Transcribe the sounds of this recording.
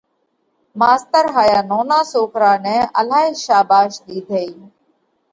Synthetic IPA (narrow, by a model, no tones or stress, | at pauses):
maːst̪əɾɦaːjaːnoːnãːsoːkɾaːnɛ̃ːəlaːiːʃaːbaːʃɗ̪iːd̪ʱeːiː